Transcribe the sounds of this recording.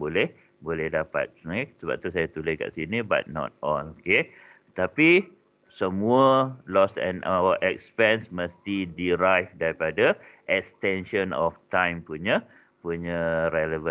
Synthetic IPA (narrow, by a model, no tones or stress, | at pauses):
bolɛh | bolɛhdapa̰t̪̚snasəba̰p̚t̪usajat̪uləska̰ʔsiniba̰t̪̚nɔ̰t̪̚ɔloke | t̪api | səmuəlɔsɛ̰̃nʔawəʔɛk̚spɛ̃nsməst̪idiɾajfdaɾipadaʔɛkst̪ɛ̃nʃə̃nɔft̪ãjmpuɲə̃ | puɲəɾɛləvə̃